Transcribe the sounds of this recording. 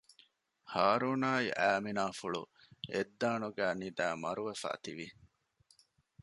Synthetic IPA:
haːɾuːnaːiʔæːminaːfuɭṵed̪ːaːnuɡæːnid̪æːmɐɾuʋefæ̰ːt̪iʋi

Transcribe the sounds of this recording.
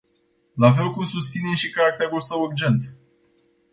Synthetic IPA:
lafe̞lkumsust̪sineʃikaɾak̚t̪eɾulsəwurd͡ʒe̞nt̪

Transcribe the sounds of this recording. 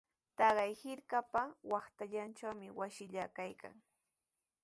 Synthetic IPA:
t̪ɑɢɑjhɪɾkapawɑχt̪aʎant͡ʃawmɪwaʃɪʎakajka̰ŋ

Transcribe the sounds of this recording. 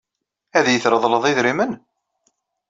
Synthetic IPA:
æðjəθɾəðˤləðˤɪðɾimən

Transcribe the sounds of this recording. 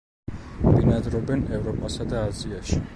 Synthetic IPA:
vinad̪ɾɔbɛnɛvɾɔpʼasad̪aːziaʃi

